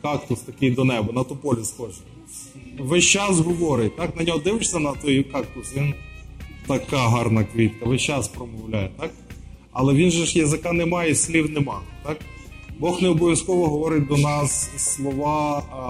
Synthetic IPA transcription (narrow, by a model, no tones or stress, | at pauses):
kɑkt̪ʊst̪ɐkɪjd̪ɔnɛbɐnɐt̪ʊpɔlʲisxɔʒɪ | ʋɪt͡ʃɑsɦɔʋɔɾɪtʲt̪ɑknɐnʲɔɦɔd̪ɪwʃsʲɐnɐt̪ɔjkɑk̚t̪ʊsʲin | t̪ɐkɑɦɑrnɐkʋʲit̪kɐʋɪt͡ʃɑspɾɔmɔwlʲajet̪ɑk | ɐ̰lˠɛʋʲinʒɛʃjɐzɪkɑnɛmɑjɛsʲlʲiwnɛmɑt̪ɑk | bɔxnɛɔbɔʋjɐskɔʋɔɦɔʋɔɾɪt̚ʲd̪ɔnɑsslˠɔʋɑ